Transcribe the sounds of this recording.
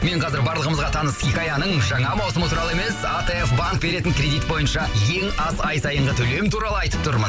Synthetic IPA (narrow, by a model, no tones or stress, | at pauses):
me̞ɴqʰɑzɪɾbɑɾlˠəʁəməzʁɑt̪ʰɑnəskʲikajanəɴʒɑɴɑmɑwsəmət̪ʰuɾɑlˠəeme̞sat̪eefbaŋk̚be̞ɾe̞t̪ɪŋkʲɾʲe̞d̪ijt̪bo̞jənʃɑje̞ŋɑzɑjsɑjəɴʁət̪ʰɵle̞mt̪ʰuɾɑlˠəɑjt̪əp̚t̪ʰʊɾmən